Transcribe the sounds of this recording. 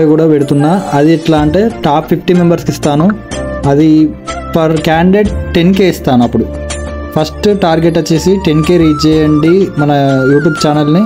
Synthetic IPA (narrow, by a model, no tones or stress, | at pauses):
ɐjkuːɽaːʋeɽut̪unːaːɐd̪iːʈlaːɐɳʈe̞ːʈaːppʰːipʰʈiːmembɐɾskist̪aːnuɐd̪i | pɐɾkaːɳɖɖeʈʈenkeːist̪aːnɐpːuɽu | pʰɐsʈʈaːɾɡeʈːɐt͡ʃːeːsiʈenkeːɾiːd͡ʒɛːjɐɳɖimɐnɐjuːʈ̬juːbt͡ʃaːnɐlni